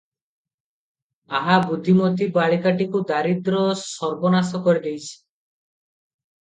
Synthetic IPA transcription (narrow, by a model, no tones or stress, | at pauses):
aɦabud̪ʱːimɔt̪ibaɭikaʈikud̪aɾid̪ɾɔsɔɾbɔnasɔkɔɾid̪ejt͡ʃʰi̥